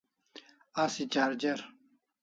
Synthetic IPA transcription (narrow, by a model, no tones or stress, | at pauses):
asit͡ɕaːɾd͡ʑeɾ